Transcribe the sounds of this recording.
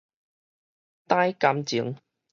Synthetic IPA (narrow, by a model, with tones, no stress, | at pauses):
t̪aː˥jka˨˥mt͡si˨˥ŋ